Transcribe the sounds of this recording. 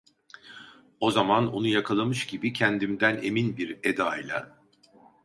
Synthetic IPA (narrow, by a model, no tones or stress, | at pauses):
o̞zamano̞nujakʰalˠamɯʃɟibicʰɛnd̪imd̪æne̞minbiɾed̪aːjlʲˠa̰